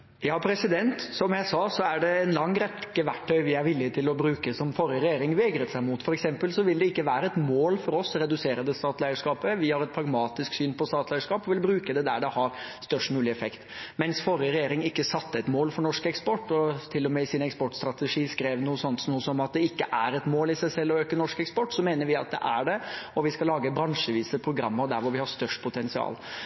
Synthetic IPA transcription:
jɑːpʰɾɛsɪd̪ɛnt̪sɔmjæɪsɑːsɔæɖɛɛnlɑŋːɾɛt̪kəʋæʈʰːœʏʋɪæɾʋɪlːɪt̪ʰɪlɔbɾʉːkəsɔmfɔɾəɾɛjeːɾɪŋʋeːɡɾət̪sæɪmut̪fɔɾɛksɛmpəlsɔʋɪld̪ɛɪkːəʋæːɾəɛt̪moːlfɔɾɔsɾɛd̪ʉseːɾəd̪ɛst̪ɑːt̪læɪəʂkɑːpəʋɪhɑɾɛt̪̚pʰɾɑɡmɑːt̪ɪsksyːnpʰɔst̪ɑːt̪læɪəʂkɑːpɔʋɪlbɾʉːkəd̪ɛd̪æɖɛhɑɾst̪œʂʈmʉːlɪɛfɛkt̪mɛnsfɔɾəɾɛjeːɾɪŋɪkːəsɑt̪ːəɛt̪moːlfɔɾɳɔʂkɛkspɔʈːɔt̪ʰɪlːɔmɛɪsɪnɛkspɔʈst̪ɾɑt̪əʂiːskɾeːʋnuːəsɔnt̪nuːəsɔmɑt̪̚d̪ɛɪkːəʔæɾɛt̪moːlɪsæɪsɛlːɔøːkənɔʂkɛkspɔʈːsɔmeːnəɾʋɪɑt̪̚d̪ɛ̰ʔæɖɛɔʋɪskɑlɑːɡəbɾɑŋʂəʋiːsəpʰɾʊɡɾɑ̰mːəd̪æɾʋʊɾʋɪhɑst̪œʂʈpʰʊt̪ʰɛnsɪɑ̰ːl

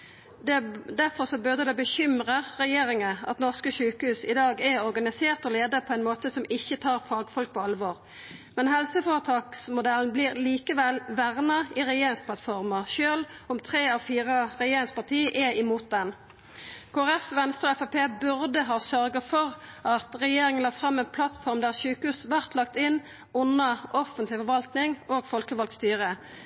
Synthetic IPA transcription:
d̪ɛd̪æʁfɔʁsɔbʉʁd̪əd̪ɛbəçʏmʁəʁɛjeːɾɪŋəɑ̰t̪nɔʁskəʃʉːkəhʉːsɪd̪ɑːɡɛʁɔʁɡɑnɪseːʁt̪ɔleːd̪əpʰɔæɪnmoːt̪əsɔmɪçət̪ʰɑːʁfɑːɡfɔlk̚pʰɔɑlʋoːʁ | mɛnɦɛlsəfoːʁət̪ʰɑːksmʊd̪ɛln̩bliːʁliːkəʋɛlʋæʁnɑiʁɛjeːɾɪŋspʰlɑt̪fɔʁmɑʁʃøːlɔmt̪ʰʁeːɑfiːʁɑʁɛjeːɾɪŋspɑʁt̪ʰiːʔɛɪmuːt̪̚d̪ɛn | kʰoːæɛfʋɛnst̪əʁɔɛfɑpeːbʉʁd̪əɦɑːsœʁɡɑfɔʁʔɑt̪ʁɛjeːɾɪŋənlɑːfʁɑmːɛːnpʰlɑt̪fɔʁmd̪æːʁʃʉːkʉːsʋæʁt̪lɑk̚t̪ɪn | ʊnːɑʔɔfənt̪lɪfɔʁʋɑlt̪nɪŋoːɡfɔlkəʋɑlk̪st̪yːʁə

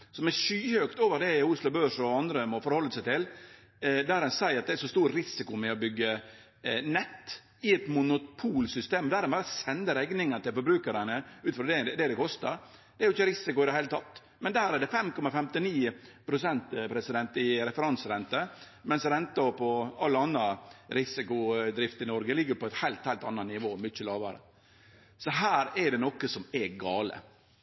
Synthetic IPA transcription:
sɔmɛʂyːhøkt̪oːʋəɾd̪ɛʊslɑbøːʂɔɑnd̪ɾəmɔfɔɾhɔlːəsæɪt̪ʰɪl | d̪æːɾɛnsæɪɾɑt̪̚d̪ɛæɾʂɔst̪uːɾɾɪsɪkʊmɛɔbʏɡːə | nɛt̪ː | ɪɛt̪mʊnʊpʰuːlsʏst̪eːmd̪æːɾɛnbɑɾsɛnd̪əɾɛɡnɪŋɑnət̪ʰɪlfɔɾbɾʉːkəɾənəʉːt̪fɾɑd̪ɛd̪ɛd̪ɛkʰɔst̪əɾ | d̪̥ɛɾjʊɪçəɾɪsɪkʊɪd̪ɛhæɪlət̪ʰɑt̪ː | mɛnd̪æːɾæɖɛfɛmkʰɔmɑfɛmt̪ɪniːpʰɾʊsɛnt̪pʰɾɛsɪd̪ɛnt̪ɪɾɛfəɾɑnsɾɛnt̪ə | mɛnsɾɛnt̪əɔpʰɔɑlːəɑnːɑɾɪsɪkʊd̪ɾɪft̪əɪnɔɾɡəlɪɡːəɾpɔɛt̪hæɪlt̪hæɪlt̪ɑ̰nːɑnɪʋoːmʏçəlɑːʋɑ̰ɾə̰ | sɔɦæːɾɛɖɛnɔkːəsɔmɛɡɑːlə̰

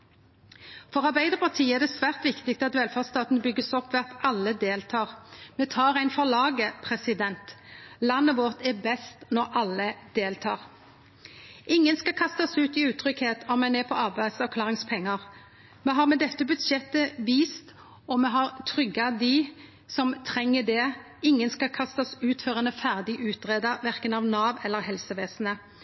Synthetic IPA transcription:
fɔɾɑʁbæɪd̪əʁpʰɑʁt̪ʰiːəɛɾʁd̪ɛsʋæːʁt̪ʋɪkt̪ɪk̚t̪ɑt̪ʋɛlfɑʁst̪ɑːt̪n̩bʏɡːəsɔpːʋɛɑt̪ɑlːəd̪eːlt̪ʰɑːʁmɛt̪ʰɑːɾæɪnfɔʁlɑːɡəpʰʁɛsɪd̪ɛnt̪lɑnːəʋɔʁt̪ɛbɛst̪nɔʁɑlːəd̪̥eːlt̪ʰɑːʁ | ʔɪŋːənskɑkʰɑst̪ɑsʉːt̪ɪʉːt̪ʰɾʏkheːt̪ɔmɛneːpʰɔɑʁbæɪsɛʁkʰlɑːʁɪŋspʰɛŋːɑʁ | mɛɦɑʁmɛd̪ɛt̪ːəbʉt̪ʃɛt̪ːəʋiːst̪ | ɔmɛɦɑʁt̪ʰʁʏɡɑd̪ɪ | sɔmt̪ʰʁɛŋːəd̪ɛ | ɪŋːənskɑkʰɑst̪ɑsʉːt̪føʁənfæʁd̪ɪʔʉːt̪ʁeːd̪ɑʋæʁkənɑʋnɑːʋɛlːəɾhɛlsəʋeːsnə

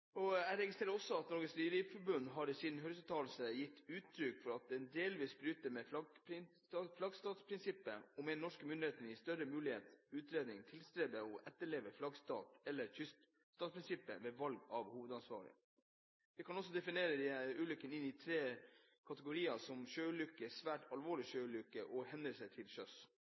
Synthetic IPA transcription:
ɔæɪɾɛɡɪst̪ɾeːɾəɔsːɔɑt̪nɔɾɡəsnyːɾifɔɾbʉnd̪ɦɑɾsid̪n̩ɦœɾsʉt̪ʰɑːl̩səjɪt̪ːʉːt̪ʰːɾʏkːfɔɾɑt̪̚d̪ɛnd̪eːlʋiːsbɾyːt̪əɾmɛflɑɡpɾɪ | flɑɡst̪ɑːt̪spʰɾɪnsɪpːə̰ɔmɛɪnɔʂkəmʏnd̪ɪheːt̪ənɪst̪œɾəmʉːlɪheːt̪ʉːt̪ɾeːd̪nɪŋt̪ʰɪlst̪ɾeːd̪əɔʔɛt̪ːəɭeːʋəflɑɡst̪ɑ̰ːt̪ɛlːəɾçʏst̪ | st̪ɑːt̪spʰɾɪnsɪpːə̰ʋɛːʋɑlɡɑʋhuːʋəd̪ɑnsʋɑ̰ːɾɪ̰ | ʋɪkʰɑnɔsːɔd̪ɛfɪneːɾəd̪ɪʉːlʏkːənɪnːɪt̪ʰɾeː | kʰɑt̪əɡʊɾiːɑsɔmʃøːʉlʏkːəsʋæːʈɑlʋoːɭɪʃøːʉlʏkːəʔɔhɛnd̪əsət̪ʰɪlʃœs

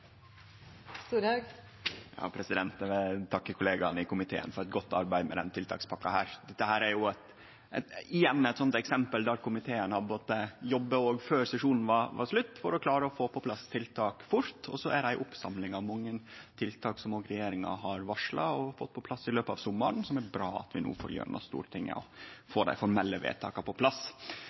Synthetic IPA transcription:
st̪uːɾɑɡ | jɑ̰ːpʰɾɛsɪd̪ɛnt̪ʋɛt̪ʰɑkːəkʰʊleːɡɑnɪkʊmɪt̪ʰḛːə̰nfɔɾɛt̪̚ɡɔt̪ːɑ̰ɾbæɪmɛ̰d̪ɛ̰nt̪ʰɪlt̪ʰɑ̰ːkspʰɑkːɑhæ̰ːɾd̪ɛt̪ːəhæːɾæɾjʊæt̪ | æɪjɛnːæɪt̪sɔnt̪ɛksɛmpəld̪æɾkʰʊmɪt̪ʰeːənhɑd̪boːt̪əjɔbːəoːɡføːɾsɛʂuːnn̩ʋɑɾʋɑ̰ʂlʉt̪ːfɔɾɔklɑːɾəɔfoːpʰɔpʰlɑst̪ʰɪlt̪ʰɑːkfʊɾt̪ɔsɔæɾæɪʔʊpsɑmlɪŋɑʋmɑŋːənt̪ʰɪlt̪ʰɑːksɔmoːɡɾɛjeːɾɪŋɑ̰ɦɑɾʋɑʂɭɑɔfɔt̪ːpʰɔpʰlɑsːɪløːpəɑʋsɔmːɑɳsɔmæɾbɾɑːɑ̰t̪ʋɪnṵːfɔ̰ɾjø̰ːɾ̰nɔ̰st̪ṵːɾʈ̪ʰɪŋːə̰ɔ̰foːd̪æ̰ɪfɔɾmɛlːəʋḛːt̪ʰɑ̰ːkɑpɔpʰlɑs

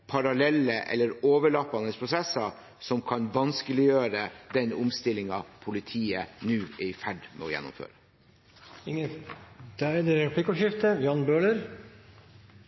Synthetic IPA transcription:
pʰɑɾɑlɛlːəʔɛ̰lːəɾoːʋəɭɑpːɑnəspʰɾʊsɛsːɑ | sɔmkʰɑnʋɑnskəlɪjøːɾəd̪ɛnʊmst̪ɪlɪŋɑpʰʊlɪt̪ʰiːənʉːɪɪfæɖmɛ̰ɔjɛ̰nːʊ̰mfø̰ːɾə | ɪŋəd̪̥æɛd̪ɛɾɛpʰlɪkɔʂɪft̪əʋjɑːnbøːləɾ

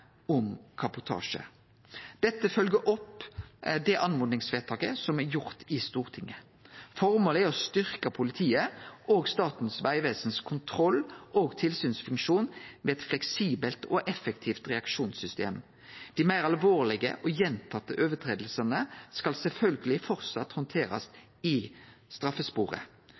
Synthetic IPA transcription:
ʊmkʰɑbʊt̪ʰɑ̰ːʂə̰ | d̪̥ɛt̪ːəfœlɡəʔɔp | d̪ɛʔɑnmʊːd̪nɪŋsʋeːt̪ʰɑːkəsɔmɛɾjʊʁt̪ɪst̪uːʁt̪ʰɪŋːə | fɔʁmoːləɔst̪ʏʁkəpʰʊlɪt̪ʰiːəʔoːɡst̪ɑːt̪n̩sʋæɪʋeːsənskʰʊnt̪ʰɾɔlːʔoːɡt̪ʰɪlsyːnsfʉŋkʂuːnmɛɛt̪flɛksiːbəlt̪ɔʔɛfɛkt̪ʰiːft̪ʁɛɑkʃuːnsʏst̪ḛːm | d̪̥ɪmæɪʁɑlʋoːʁlɪɡə̰ʔɔjɛnt̪ʰɑt̪ːəʔøːʋət̪ʰʁeːd̪əl̩sənəskɑlsɛlfœlɡəlɪfɔʁt̪sɑt̪hɔnt̪ʰeːɾɑ̰s | ɪ | st̪ʁɑfəspuːʁə̰

